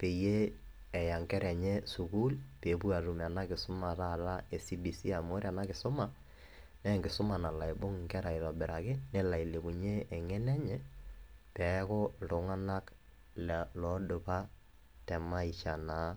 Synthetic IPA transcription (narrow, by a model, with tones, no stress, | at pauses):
pe˨je˦ | ɛ˨ja˨ŋkɛ˦ɾɛ˨ɲe˦su˨ku˦lpe˨˦pu˦a˨ɾu˨mɛ˨a˨na˦kɪ˨sʊ˦ma˨ɾa˦˨ɾa˦e˨si˦bi˨si˦a˨mo˦ɾi˦a˨na˦kɪ˨sʊ˦ma˨ | nɛ˦ŋɡɪ˨sʊ˦ma˨na˨la˨e˨bo˦ŋ˨ŋkɛ˦ɾa˨ɪ˨ðɔ˨bɪ˨ɾa˨kɪ˦ne˦la˨i˨le˨ku˨ɲeː˦˨ŋɛ˦nɛ˦ɲɛ˦pɛ˨ko˦lo˨ŋa˦na˦k | llɔ˨˦dʊ˨pa˦ | tɛ˨ma˦i˨t͡ʃa˨na˨˦